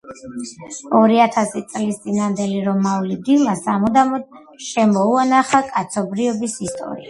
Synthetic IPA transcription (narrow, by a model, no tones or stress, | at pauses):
ɔɾiat̪ʰasit̪sʼlist̪sʼinand̪ɛliɾɔmːaulid̪ilˠasamɔd̪amɔd̪̥ | ʃɛmɔuanaχakʼat̪sʰɔbɾiɔbisist̪ʼɔ̰ɾḭa